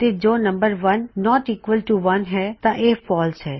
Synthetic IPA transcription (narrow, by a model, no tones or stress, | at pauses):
t̪ed͡ʒoːnɐ̃mbəɾʋɐnːɔːʈiːkʋəlʈuʋɐnɦɛt̪aʔeːfɔːlsɦɛː